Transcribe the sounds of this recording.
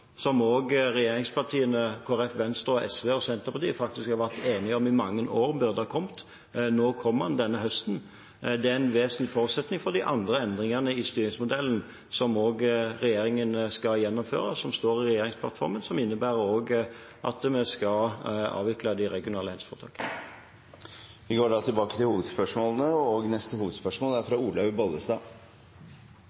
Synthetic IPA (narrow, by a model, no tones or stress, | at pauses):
sɔmoːɡʁɛjeːɾɪŋspʰɑʁt̪ʰiːənəkʰoːæɾɛfʋɛnst̪ɾəɔʔɛ̰sʋeːɔsɛnt̪əʁpɑt̪iːəfɑk̚t̪ɪskhɑɾʁʋæʁt̪eːnɪɔmɪmɑŋːənʔoːʁbød̪ɑkʰɔmt̪ | noːkʰɔmːhɑnd̪ɛnːəɦœst̪n̩ | d̪ɛæɛnʋeːsnlɪfoːɾʉt̪sɛt̪nɪŋfɔd̪ɪʔɑ̰nd̪ʁəɛnd̪ɾɪŋənəɪst̪yːɾɪŋsmʊd̪ɛlːən̩ | sɔmoːɡʁɛjeːɾɪŋənskɑjɛnːɔmfø̰ːɾəsɔmst̪oːʁɪʁɛjeːɾɪŋspʰlɑ̰t̪fɔ̰ɾmənsɔmɪnːəbæːɾəoːɡʔɑ̰t̪mɛskɑlɑ̰ːʋɪkləd̪ɪɾɛɡɪʊnɑːləhɛlsfɔːt̪ʰɑ̰ːkə | ʋɪɡoːɖɑːt̪ʰɪlbɑːkət̪ɪlhuːʋəd̪spœʂmoːlənəɔɡnɛst̪əhuːʋəd̪spœʂmoːlæɾfɾɑuːlœʋbɑləsd̪ɑː